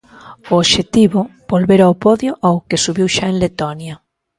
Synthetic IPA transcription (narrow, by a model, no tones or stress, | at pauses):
ooʃet̪iβʊbolβeɾawpɔðjʊʔaʊkesuβiwʃaẽŋlet̪ɔnjɐ